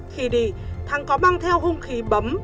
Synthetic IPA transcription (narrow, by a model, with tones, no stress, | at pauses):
xi˨˦ɗi˧˩t̪ʰa˨˩˦ŋkɔ˨˦maː˧ŋt̪ʰɛ˧wɦo˧nxi˨˦ɓə˨˦m